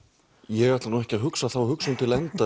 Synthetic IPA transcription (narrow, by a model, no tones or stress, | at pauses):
jɛɣajt̪lanuɛhcɪaðɦʏksaθawhʏksʏnt̪ʰɪlɛnt̪a